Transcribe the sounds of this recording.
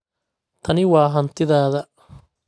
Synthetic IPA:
t̪ʰɐnɪwɑːɦɐnt̪ʰɪðaːðɐ

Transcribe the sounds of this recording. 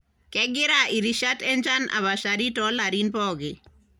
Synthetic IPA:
kɛɡɪɾaʔiɾiʃatɛnd͡ʒanʔa̰βaʃaɾitɔlaɾinpɔɡi

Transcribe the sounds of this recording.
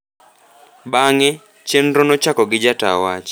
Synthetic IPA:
baŋɛ | t͡ʃenɾɔnɔt͡ʃakɔɡɪd͡ʒata̰wat͡ʃ

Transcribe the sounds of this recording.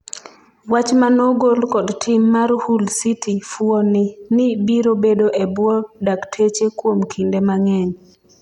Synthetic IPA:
wat͡ʃmanoɡolkɔdtʰɪmːaɾhulsitʰifwɔnɪnɪbiɾobedoʔebwɔdaktʰet͡ʃekwomkʰindemaŋɛɲ

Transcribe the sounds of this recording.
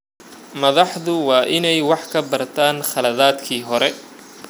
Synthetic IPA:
mɐðɑħðʊwɑːʔɪnɛjwɑħkʰɐbɐrt̪ʰaːnχɐlɐðaːd̪kʰiːɦɔɾɛ

